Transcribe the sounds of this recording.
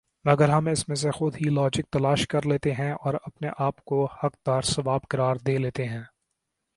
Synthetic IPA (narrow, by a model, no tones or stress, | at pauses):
mɐɡəɾɦɐmɪsmẽs̬exʊd̪ɦilɔːd͡ʒɪk̚t̪ɐlaːʃkɐɾleːt̪eɦɛ̃ʔɔːɾɐpneʔaːpkohɐk̚d̪aːɾsɐʋaːbkɐɾaːɾd̪eːleːt̪eɦɛ̃ː